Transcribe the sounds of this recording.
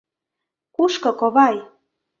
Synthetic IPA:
kuʃkɤ̆koβɑj

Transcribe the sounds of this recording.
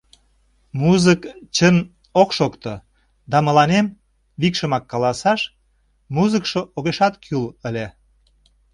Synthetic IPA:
muzəkt͡ɕən | okʃokt̪o | d̪ɑmə̆lɑnem | βikʃə̆mɑkːɑlɑsɑʃ | muzəkʃoʔoɣeʃɑt̪kʰyləlʲe

